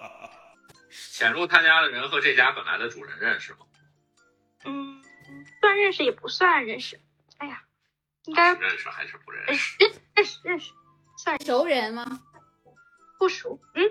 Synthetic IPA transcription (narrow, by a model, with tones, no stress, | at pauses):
t͡ɕʰjɛ˨˩nɻu˥˧˩t͡sʰa˥nt͡ɕja˥d̪ə˨˩ɻə˧˥nxɤ˧˥ʈ͡ʂe˥˩t͡ɕja˥pə˨˩nla̰˧˥ɪd̪ə˧ʈ͡ʂu˨˩ɻə̰˧˥nɻə˥˧nʂɻ̩˩mɐ˩ | n̩˥˩ | swa˥˧nɻə˥˧nʂɻ̩˩jɛ˨˩pu˧˥swa˥˧nɻə˥˩nʂɻ̩˨˩ | a˥˩ɪa˩ | i˥ŋka˥ɪ˧ɻə̰˥˧nʂɻ̩˨˩xa̰˧˥ɪʂɻ̩˥˧˩pu˧˥ɻə̰˥˩˥ʂɻə˥˩ʂɻ̩˨˩ɻə˥˩nʂɻ̩˨˩ | swa˥˩njo˧˥ʊɻə˧˥nmɐ˧ | pu˥˩ʂu˧˥n̩˥˩